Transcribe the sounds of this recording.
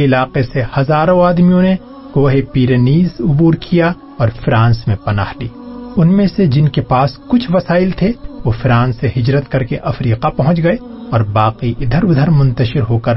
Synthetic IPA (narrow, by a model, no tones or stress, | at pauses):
ɪlaːqesehɐzaːɾõaːd̪mijõne | ɡoːɦepiːɾeniːzʊbuːɾkʰija | ɔːɾfɾãːnsmẽpɐna̰ːhliːʊnmẽsed͡ʒɪnkepaːskʊt͡ʃʰʋɐsaːɪlt̪ʰeʋoːfɾãːnsːeɦɪd͡ʒɾət̪kɐɾkeʔɐfɾiːqapɐɦʊ̃t͡ʃɡɐeɔːɾbaːqiʔɪd̪ʱəɾʊd̪ʱəɾmʊ̃nt̪əʃɪɾɦoːkəɾ